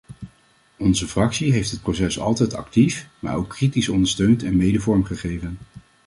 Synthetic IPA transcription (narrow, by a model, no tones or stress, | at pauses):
ɔnzəfrɑksiɦejftɦət̚prosɛsɑ̰lˠtɛjtɑ̰ktifma̰ːɹowkːritisɔndəɹstøɥntɛnmejdəvɔɹmχəχejvən